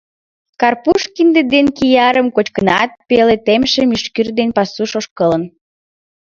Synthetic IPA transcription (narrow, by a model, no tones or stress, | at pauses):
kɑrpuʃkind̪ed̪enkijɑɾəmkot͡ɕkənɑt̪̚pelet̪emʃemyʃkyrd̪enpɑsuʃoʃkələn